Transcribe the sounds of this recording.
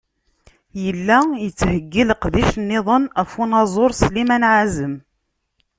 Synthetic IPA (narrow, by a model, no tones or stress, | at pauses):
jəlːæjət͡sːhəɡːiləqðiʃnːɪðˤənæfunɑzˤoɾˤslimænʕazəm